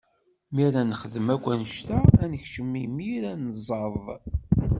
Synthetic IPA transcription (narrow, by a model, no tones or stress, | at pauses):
miɾænχəðəmæɡʷænʃt̪æænəçʃəmːimiɾænzˤɑɾˤðˤ